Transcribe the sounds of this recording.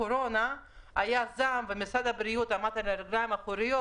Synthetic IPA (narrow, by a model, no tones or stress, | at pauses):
oɾona | ajazamvemisad̪habɾijut̪amat̪aleɾɡlaimaχuɾijo